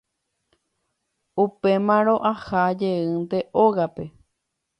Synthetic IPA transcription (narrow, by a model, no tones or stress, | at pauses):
upe̞mãɾõʔahad͡ʒe̞ɨnd̪e̞ʔoɣape̞